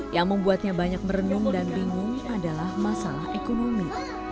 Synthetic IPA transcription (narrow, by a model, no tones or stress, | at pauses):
jaŋməmbuat̪̚ɲabaɲak̚məɾənʊŋdanbiŋʊŋadalahmasalaɦʔekonomi